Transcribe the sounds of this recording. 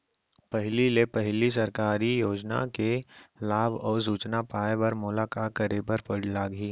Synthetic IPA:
pɛɦlilepɐɦlis̬ɐɾkaːɾijoːd͡ʒna̰kelaːbʱɔːɾs̬uːt͡ʃnapaːebɐɾmʊlakakɐɾeːbəɾpɐɽlaːɡiː

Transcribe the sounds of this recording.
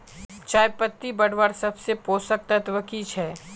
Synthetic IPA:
t͡ʃaːjepət̪ːibɐɽʋəɾsɐbsepoːsək̚t̪ət̪ʋəkiːt͡ʃʰɛː

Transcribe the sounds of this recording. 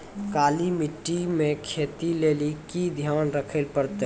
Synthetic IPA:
kaːlimɪʈːimẽkʰeːt̪ileːlikid̪ʱjaːnɾəkʰəlpəɾt̪e

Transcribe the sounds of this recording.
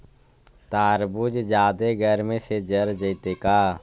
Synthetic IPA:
t̪aːɾbud͡ʒd͡ʒaːd̪eɡɛːɾmẽsed͡ʒəɾd͡ʒəit̪eːkaː

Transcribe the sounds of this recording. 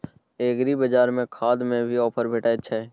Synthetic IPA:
eːɡɾibəd͡ʒaːɾmẽkʰaːd̪mẽbʱiɔːpʰəɾbʱeːʈaətːʃʰaɦɛː

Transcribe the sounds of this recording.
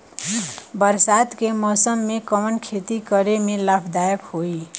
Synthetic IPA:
bəɾsad̪kemɔsəmːekəmənkʰet̪ikəɾemelapʰd̪ajəkhoi

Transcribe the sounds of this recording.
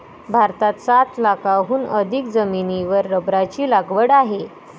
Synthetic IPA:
bʱaɾt̪at̪sat̪lakaɦuːnəd̪ʱikd͡zəminiʋəɾːəbɾat͡ɕiːlaɡʋəɽaɦe

